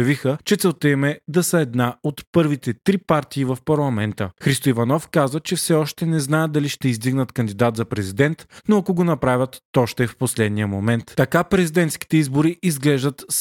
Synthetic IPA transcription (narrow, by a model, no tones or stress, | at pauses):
ɐvixət͡ʃɛt̪sɛlˠt̪ɛmɛd̪ɐsəɛd̪naot̪pɤɾvit̪ɛt̪ɾipaɾt̪iːvɐfpɐɾlˠɐmɛnt̪əxɾist̪oivɐnɔfkazət͡ʃɛfsɛɔʃt̪ɛnɛznajəd̪ɐliʃt̪ɛizd̪iɡnət̪kɐnd̪id̪at̪zɐpɾɛzid̪ɛnt̪noɐkoɡonɐpɾavʲət̪ːɔʃt̪ɛfposlɛd̪nijəmomɛnt̪t̪ɐkapɾɛzid̪ɛnt̪ski̥t̪ɛizboɾiʔizɡlɛʒd̪ət̪s